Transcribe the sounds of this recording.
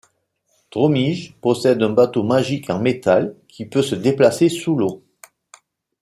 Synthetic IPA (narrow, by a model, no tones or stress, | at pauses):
t̪ʁɔmiʒpɔsɛd̪ɛ̃bat̪omaʒikʰɑ̃met̪alkʰʲipøsəd̪eplasesulo